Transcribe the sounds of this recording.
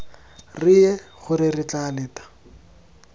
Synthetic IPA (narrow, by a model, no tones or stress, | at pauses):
rɪɛχʊɾɪrɪt͡ɬalɪːtḁ